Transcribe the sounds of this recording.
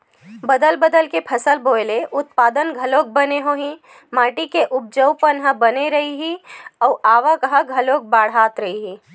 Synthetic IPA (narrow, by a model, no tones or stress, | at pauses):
bəd̪əlbəd̪əlkepʰɐsəlboːɪleʔʊt̪̚paːd̪ənɡʱəloːk̚bəneɦoːɦĩ | maːʈikeʔʊp̚d͡ʒəwpənɦəbəneɾɐɦiɦiɔːʔaːʋakɦəɡʱɐloːk̚baːɽ̤aːt̪ɾəɦiɦiː